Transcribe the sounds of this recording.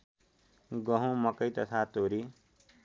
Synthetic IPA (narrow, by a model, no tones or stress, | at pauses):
ɡʌɦũmʌkʌjt̪ʌt̪ʰat̪oɾi